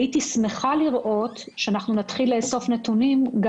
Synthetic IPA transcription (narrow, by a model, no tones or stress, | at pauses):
itisme̞χaliʁʔo̞t | ʃeanaχnunatχileeso̞fnetunimɡ